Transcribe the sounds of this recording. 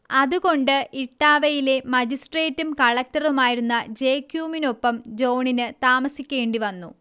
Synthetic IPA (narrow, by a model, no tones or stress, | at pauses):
ɐðuɣo̞ɳɖɨʔiʈːaːʋɐjile̞mɐd͡ʑisʈre̞ːtːumkɐɭɐk̚tɐrumaːjiɾunːɐd͡ʑe̞ːkjuːmino̞pːɐmd͡ʑo̞ːɳinɨt̪aːmɐsikʲːe̞ːɳɖiʋɐnːṵ